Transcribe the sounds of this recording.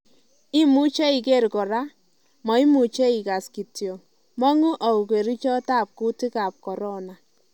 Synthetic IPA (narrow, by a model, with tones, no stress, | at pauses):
ɪ˦mu˦t͡ʃe˦i˨ke˦˨ɾkɔ˨ɾa˦ | mɔ˨i˦mu˨t͡ʃe˦i˨ka˨ski˨tjo˨ | mɔ˦ŋʊ˦ʔa˨u˨ke˨ɾi˦t͡ʃɔ˦ta˦˨p̚ku˦ti˦ka˨p̚kɔ˨ɾɔ˦na˨